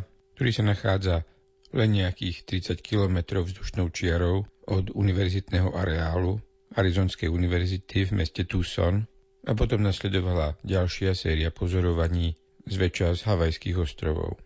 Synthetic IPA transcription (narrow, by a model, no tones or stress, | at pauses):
k̚t̪ɔɾiːsanaxaːd͡za | lɛnɲɛakiːxt̪ɾit͡sackilɔmɛt̪ɾɔʊvzd̪uʃnɔʊt͡ʃɪaɾɔʊʔɔd̪uniʋɛɾzit̪nɛɦɔʔaɾɛaːlu | aɾizɔːnskɛjuniʋɛɾzit̪ʰivmɛscɛt̪usɔ̰n | apɔt̪ɔmnaslɛd̪ɔʋalaɟalʃɪasɛːɾiapɔzɔɾɔʋaɲiː | zʋɛt͡ʃazɦaʋajskiɣɔst̪ɾɔʋɔ̰ʊ